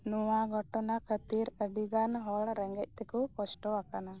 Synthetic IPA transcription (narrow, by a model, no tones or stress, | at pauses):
nɔwaɡʱɔʈɔnakʰət̪iɾəɖiɡanɦɔɭɾɛŋɡɛc̚ˀt̪ɛkukɔsʈɔakana